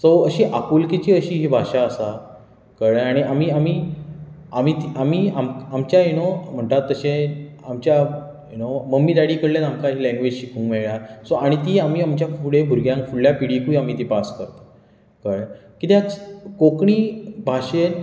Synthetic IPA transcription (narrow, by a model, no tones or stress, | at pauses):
soəɕiːʔakulkit͡ɕiːəɕiːɦiːbʱaɕaəsa | kəɭaɽ̃iamiːam̤iː | am̤iːt̪iʔamiːamamt͡ɕjajunom̤əɳʈ̪at̪ːəɕẽ | amt͡ɕja | junoməmːiːd̪aɽiːkəɽlenamkaɦiːlɛ̃ŋɡʋed͡ʑɕikũːŋɡmeɭɭjasoaɽ̃it̪iːam̤iːamt͡ɕjakuɽebʱuɾɡjãŋkfuɽljapiɽiːkuiam̤iːt̪ipaskəɾt̪a | kəɭkit̪eat͡skokɳiːbʱaɕen